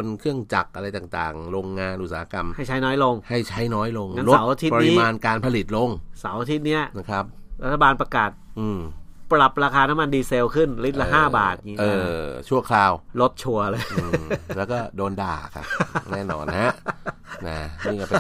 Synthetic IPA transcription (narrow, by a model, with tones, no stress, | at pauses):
o˧nkʰɯ˥˩əŋt͡ɕa˨˩k̚ʔa˧ɾa˧jt̪aː˨˩t̪a̰ː˨˩ŋɾo˧ŋːaː˧nʔu˨˩saː˨˦˧ka˧mha˥˩jt͡ɕʰa˦˥jnɔː˦˥jlo˧ŋha˥˩jt͡ɕʰa˦˥jnɔː˦˥jlo˧ŋŋa˧lo˦swʔa˧t̪ʰi˦˥pːɾni˧˦maː˧nkaː˧npʰa˧li˨˩t̪̚lo˧ŋsa˩˦wʔa˧t̪ʰi˦˥t̪̚ni˦˥ɐn˧˩kʰɾa˦˥p̚ | ɾa˦˥t̪ʰːa˧baː˧npɾa˧kaː˨˩t̪̚ʔɯː˧˩mpɾa˨˩p̚ɾaː˧kʰaː˧na˦˥ma˧ndiː˧se˧wkʰɯ˥˩nli˦˥t̪̚la˧ɦaː˥˩baː˨˩t̪̚ɲi˧ʔɤː˧t͡ɕʰu˥˩ɐkʰlaː˧wlo˦˥t̪̚t͡ɕʰu˧ɐlɤː˧jʔɯː˧˩lɛː˦˥wkɔː˥˩doː˧nda̰ː˨˩kʰa̰˦˧˩nɛɛː˥˩nɔ̰ː˧nha˦˥ | na˧˩ni˧˩kɔː˥˩p